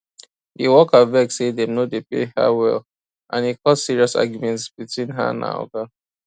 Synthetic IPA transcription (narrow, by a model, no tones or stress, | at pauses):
ʔiwɔkavɛksedɛ̃mnodepḛha̰wɛl | ʔãnhikɔtsiɹiɔsa̰ɡjumɛ̃ntsbitwĩnɦa̰nã̰ɔ̰ɡa